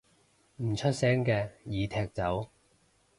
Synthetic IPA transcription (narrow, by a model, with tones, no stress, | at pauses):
m̩˨˩t͡ʃʰɵ˥t̚sɛː˥ŋkɛː˧jiː˨˧t̪ʰɛː˧k̚t͡sɐ˨˥w